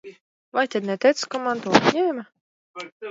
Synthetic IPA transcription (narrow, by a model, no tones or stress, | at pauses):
vajt̪ʲɛd̪nɛt̪ɛjt̪skɔmant̪uɔpɲɛma